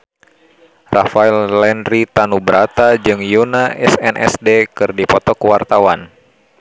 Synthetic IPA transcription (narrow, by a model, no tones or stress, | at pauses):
rafaɛllɛnɾit̪anubəɾʔat̪ad͡ʒɨŋjunaʔɛsɛnʔɛ̰sdekɨrdipɔt̪ɔkuwart̪awan